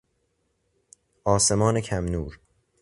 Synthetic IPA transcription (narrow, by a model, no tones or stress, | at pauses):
ʔɒːse̞mɒːnekʰæmnuːɾ